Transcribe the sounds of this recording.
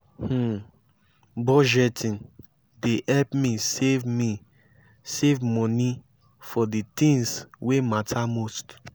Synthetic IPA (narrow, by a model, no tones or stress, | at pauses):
h̩ | bɔd͡ʒɛtʰĩn | dehɛlpmisevmi | sevmɔ̃ni | fɔdit̪ĩŋswematʰamost